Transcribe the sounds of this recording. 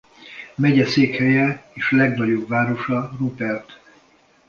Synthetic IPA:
mɛɟɛseːkhɛjɛeːʃlɛɡnɒɟo̞bvaːɾo̞ʃɒrupɛrt̪

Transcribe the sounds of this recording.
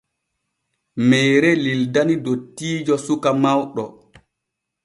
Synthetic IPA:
mɛːɾɛlildanidotːiːd͡ʒɔsukamawɗɔ̰

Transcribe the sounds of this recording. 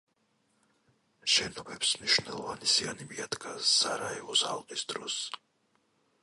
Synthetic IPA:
ʃɛnɔbɛpsmniʃvnɛlˠɔvanisianibiad̪ɡʰʼazaɾaɛvɔsalˠqʼisd̪ɾɔs

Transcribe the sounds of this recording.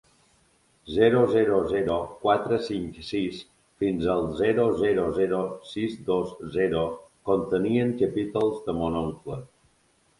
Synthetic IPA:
zɛɾozɛɾozɛɾokwat̪ɾəsiŋksis | finzəlˠzɛɾozɛɾozɛɾosizd̪ozzɛɾokont̪əniəŋkəpit̪əlˠzðəmonoŋklə

